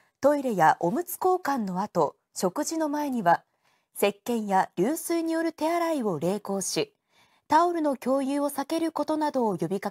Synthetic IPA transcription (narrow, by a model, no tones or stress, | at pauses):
t̪o̞iɾe̞jaʔo̞mɯ̟t͡sɨ̥ko̞ːkãnːo̞at̪o̞ | ɕo̞kɯ̟ʑino̞mae̞ɲ̟iβa | se̞kːẽ̞ɰ̃jaɾʲɨːsɨːɲ̟ijo̞ɾɯ̟t̪e̞aɾaio̞ɾe̞ːko̞ːɕi | t̪aoɾɯ̟no̞kʲo̞ːjɯːo̞sake̞ɾɯ̟ko̞t̪o̞nad̪o̞ːjo̞bʲika